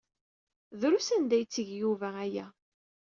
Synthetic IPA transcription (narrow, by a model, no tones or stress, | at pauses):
ðɾusænd̪æjt͡sːəʝjuvææjæ